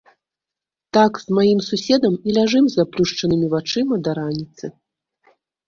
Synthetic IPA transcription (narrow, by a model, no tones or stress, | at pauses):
t̪akzmajimsusʲɛd̪ɐmilʲaʐɨmzaplʲuʂt͡ʂɐnɨmʲivat͡ʂɨmɐd̪ɐɾanʲit̪sɨ